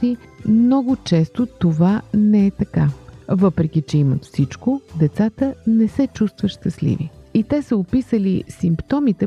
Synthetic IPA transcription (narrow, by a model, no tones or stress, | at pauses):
imnɔɡʊt͡ʃɛst̪ot̪ovanɛɛt̪ɐkavɤpɾɛk̟ʲit͡ʃɛimət̪fsit͡ʃkod̪ɛt̪sat̪ənɛsɛt͡ʃust̪vəʃt̪əslḭvḭit̪ɛsəʊpisəlisimpt̪ɔmit̪ɛ